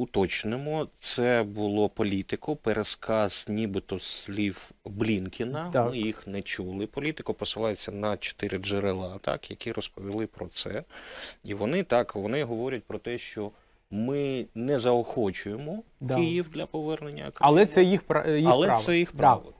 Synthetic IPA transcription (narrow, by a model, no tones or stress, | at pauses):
ʊt̪ɔt͡ʃnɪmɔt̪sɛbʊlˠɔpɔlʲit̪ɪkʊpeɾʔeskɑz̥nʲibɪt̪ɔsʲlʲiwblʲinkʲɪnɐmɪjixnɛt͡ʃulˠɪpɔlʲit̪ɪkʊpɔsɪlˠɑjet͡sʲːɐnɐt͡ʃɔ̥t̪ɪɾʲɪd͡ʒeɾelˠɑt̪ɑ̰kjɐkʲiɾɔspɔʋʲilˠɪpɾɔt̪sɛ | iʋɔnɪt̪ɑkʋɔnɪɦɔʋɔɾʲɛt̚ʲpɾɔt̪ɛʃt͡ʃɔ | mɪnɛzɐɔxɔt͡ʃʊjemɔkɪjiwd̪ʲlʲɐpɔʋɛrnenʲːɐ̰ɐkɾlˠɛsɛjixpɾjiɐlˠɛɛjixpɾɑʋɔ̰